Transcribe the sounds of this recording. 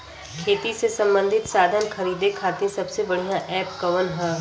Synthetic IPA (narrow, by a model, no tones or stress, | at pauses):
kʰeːt̪isesɐ̃mbə̃nd̪ʱɪt̪saːd̪ʱənxɐɾiːd̪ekʰaːt̪ĩsɐbsebɐɽ̤ijãʔɛːpkɐʋənɦɛ̃ː